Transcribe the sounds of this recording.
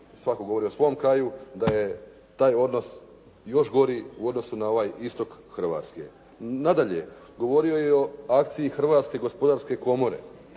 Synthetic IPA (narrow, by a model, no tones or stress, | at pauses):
sʋakoɡoo̞ɾiosʋo̞omkɾajud̪aje̞ | t̪aːjo̞d̪no̞s | jo̞ʃɡo̞ɾiuo̞d̪no̞sunao̞ʋajist̪o̞kxrʋa̰ːt̪skḭ | nad̪aʎḛ | ɡo̞ʋo̞ɾio̞jeoakt̪sijixɾʋaːt̪skeɡo̞spo̞d̪aɾske̞ko̞mo̞ɾe̞̰